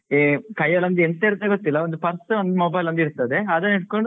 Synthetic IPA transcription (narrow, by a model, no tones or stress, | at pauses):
ekɐjːɐlɐnd̪uent̪eiɾut̪ɐeɡot̪ːilːɐo̞nd̪upɐɾsond̪moːbɐjlɐnd̪iɾut̪ɐd̪e̞aːd̪ɐniʈ̚ko̞ɳɖu